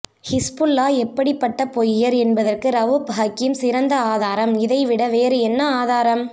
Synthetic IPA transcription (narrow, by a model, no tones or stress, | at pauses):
hɪspʊlːaːɛpːɐɽɪpːɐʈːɐpɔjjɐɾɛnbɐðɐrkɯɾɐʋɯbʱaːkːɪjɯmsɪɾɐnd̪ɐaːðaːɾɐmɪðɐɪʋɪɽɐʋeːɾɯɛnːɐaːðaːɾɐm